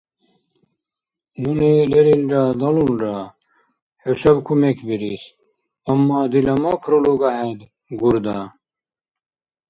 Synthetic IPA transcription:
nunileɾilɾad̪ɐlunɾa | heɕɐbkʰumekʰbiɾis | ɐmːad̪ilɐmakʰɾoloɡaɦed̪ | ɡuɾd̪a

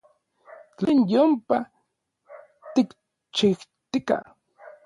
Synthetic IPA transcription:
t͡ɬenjompa | t̪ik | t͡ʃiht̪ika̰

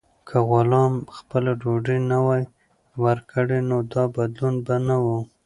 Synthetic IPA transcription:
kʰaɣʊlɑmxpəlaɖoɖinawaj | waɾkʰəɽenod̪ɑbad̪lunbanawu

